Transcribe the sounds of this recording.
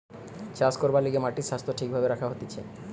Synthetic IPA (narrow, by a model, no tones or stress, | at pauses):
t͡ɕaskoɾbaliɡemaʈiʃast̪ʰoʈʰik̚bʱabeɾakʰaɦot̪it͡ɕʰḛ